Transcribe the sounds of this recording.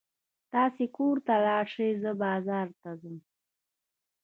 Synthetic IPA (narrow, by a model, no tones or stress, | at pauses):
t̪ɑːsekoɾt̪alɑːɾʂejzəbɑːzɑːɾt̪azəm